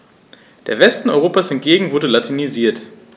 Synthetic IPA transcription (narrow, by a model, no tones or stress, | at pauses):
d̥eːɐvɛstn̩ɔʏʁoːpashɛnt̚ɡ̥eːɡŋ̩vʊɐdəlatʰiniziːɐt